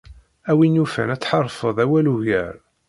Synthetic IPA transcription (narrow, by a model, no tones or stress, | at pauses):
æwinufæ̰næt͡sːħɑɾˤːfəðˤæwæluʝæ̰ɾ